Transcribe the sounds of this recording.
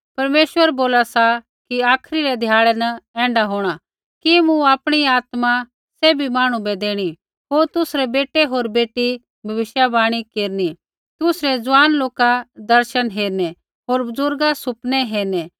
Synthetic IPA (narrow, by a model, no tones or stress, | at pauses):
pɐɾmeːʃwəɾboːlasa | kiaːkʰɾiɾɛd̪ʱjaːɭɛnɐɛ̃ːɳɖaɦoːɽ̃a | kimũaːpɽ̃iaːt̪ma | sɛbʱimaːɽ̃ũbɛd̪eːɽ̃i | ɦoːɾt̪ʊsɾɛbeːʈeɦoːɾbeːʈi | bʱɐʋɪʃjabaːɽ̃ikeːɾni | t̪ʊsɾɛd͡zʊʋaːnloːkad̪ɐɾʃənɦeːɾnɛ | ɦoːɾbʊzʊɾɡasʊpnɛɦeːɾnɛ